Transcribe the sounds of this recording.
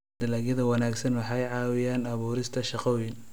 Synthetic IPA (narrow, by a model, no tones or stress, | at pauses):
d̪̥ɐlaːɣjɐðɐwɑnaːɡsɐnwɑħɑjʕɑːwɪjaːnɐβuːɾɪst̪ʰɐʃɑqɔwɪn